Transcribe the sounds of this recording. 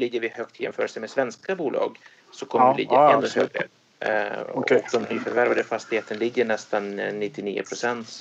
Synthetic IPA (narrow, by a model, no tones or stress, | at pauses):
lɪɡːəɾvɪhøːk̚t̪ʰjɛ̰mfœːɾəlsəmed̪svɛnskabuːlʔɑ̰ːɡ | sɔkʰɔməlɪ̰ɡəɛnːəhøːɡə̰ | kd̪ɔmɪfœɾvæɾvad̪əfast̪ɪɡheːt̪ənlɪɡːəɳɛst̪anːɪt̪ːɪniːə̰pʰɾʊsɛnt̪